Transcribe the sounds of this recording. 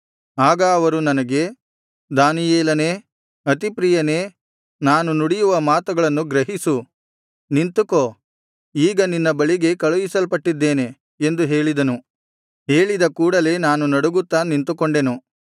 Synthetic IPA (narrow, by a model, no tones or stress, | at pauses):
aːɡɐːʋɐɾunɐnɐɡe̞ | d̪aːnijeːlɐne̞ː | ɐt̪ipɾiːjɐneː | naːnunuɽijuʋɐmaːt̪ɐɡɐɭɐnːuɡɾɐɦisu | nint̪uko̞ː | iːɡɐninːɐbɐɭiɡe̞kɐɭuʋisɐlpɐʈːid̪ːe̞ːne̞ː | nd̪uɦe̞ːɭid̪ɐnu | ɦe̞ːɭid̪ɐkuːɽɐle̞ːnaːnunɐɽuɡut̪ːanint̪ukoɳɖe̞nu